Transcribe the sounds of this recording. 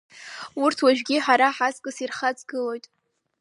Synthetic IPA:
urtʰwaʒᶣɡʲiħaɾaħazkʼɨsirχad͡zʼɡɨlo̞jtʼ

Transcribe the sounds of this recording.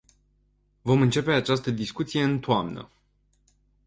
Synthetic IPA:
vo̞mɨnt͡ʃe̞pe̞at͡ʃast̪əd̪iskut̪sije̞ɨnt̪oamnə̰

